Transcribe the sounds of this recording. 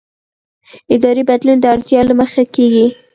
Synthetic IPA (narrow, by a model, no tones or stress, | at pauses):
ɪd̪ɑɾibad̪lund̪əaɽt̪jɑlaməxakeɡi